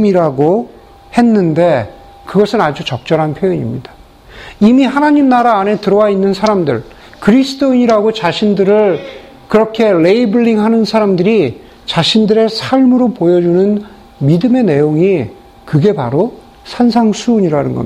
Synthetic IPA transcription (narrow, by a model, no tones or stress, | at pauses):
miɾaɡo | he̞nːɯnde̞ | kɯɡʌsʰɯnad͡ʑut͡ɕʌk̚t͡ɕ͈ʌɾɦanpʰjojʌɲimɲid̥ḁ | imihanaɲimnaɾaːne̞tɯɾʌwainːɯnsʰaɾamdɯ̰ɭ | kɯɾisʰɯ̥tʰoiɲiɾaɡot͡ɕaɕʰindɯɾɯɭ | kɯɾʌkʰe̞le̞ibɯɭːiŋɦanɯnsʰaɾamdɯɾi | t͡ɕaɕʰindɯɾe̞sʰaɭmɯɾopojʌd͡ʑunɯn | midɯme̞ne̞joŋi | kɯɡe̞paɾo | sʰansʰaŋsʰuːɲiɾanɯnɡʌ̰